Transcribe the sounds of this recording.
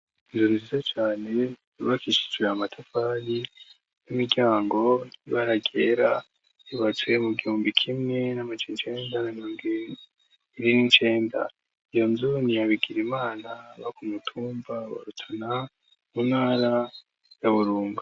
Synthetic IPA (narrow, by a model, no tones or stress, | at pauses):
inzuɾizizat͡ʃaːne̞ | uβakiʃi̥d͡ʒweamatʰafaɾi | nimiɟaːŋɡo̞iβaɾaɡeɾa | iβat͡swe̞muɡihuːmbikʰimŋe̞namad͡ʒenit͡ʃe̞ːndanamiɾoːmɡi | iɾinint͡ʃe̞ːnda̰ | ijo̞nzuniaβiɡiɾimaːnaβakumutʰuːmbaβa̰ɾutʰana | munhaːɾa | jaβuɾuːŋɡa